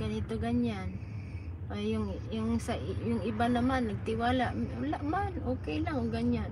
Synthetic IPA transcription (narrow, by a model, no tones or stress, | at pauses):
ɡɐnɪt̪o̞ɡaɲan | pajʊŋ | jʊŋsɐʔjʊŋʔɪbanɐmanːɐɡ̚t̪ɪwaːlaʔwalaʔmanʔoːkɛjlaŋoɡaɲan